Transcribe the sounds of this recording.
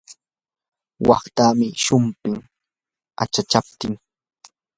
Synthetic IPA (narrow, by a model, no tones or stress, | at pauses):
wɑ̰χt̪aːmɪʃʊmpɪŋ | a̰t͡ʃat͡ʃap̚t̪ɪŋ